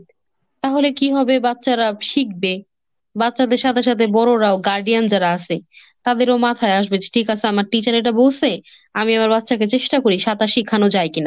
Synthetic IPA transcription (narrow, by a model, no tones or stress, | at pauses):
t̪aɦolekiɦɔbebatːɕaɾaʃik̚be | bat̪ːʃad̪eɾʃat̪ʰeʃ̬at̪ʰebɔɾoɾaoɡaɾɖijand͡ʑaɾaat͡ɕʰe | t̪ad̪eɾomat̪ʰaeaʃbed͡ʑeʈʰikat͡ɕʰeamaɾʈit͡ɕaɾeʈabowsʰe | amiamaɾbat̪ːɕaket͡ɕeʃʈakoɾiʃat̪aʃikʰanod͡ʑaejkina